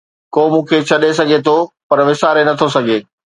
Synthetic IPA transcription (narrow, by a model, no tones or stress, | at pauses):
koːmũːkʰet͡ɕʰɐɗes̬ɐɡʱet̪ʰopɐɾʋɪsaːɾenɐt̪ʰosɐɡʱeː